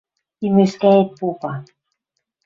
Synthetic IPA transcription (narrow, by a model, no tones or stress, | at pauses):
imĕʃkæet̪̚popɑ